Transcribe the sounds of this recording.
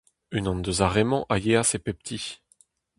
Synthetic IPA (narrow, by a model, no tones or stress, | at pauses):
ynɔ̃nd̪əzaʁemɑ̃ʔajeasepɛp̚t̪ʰi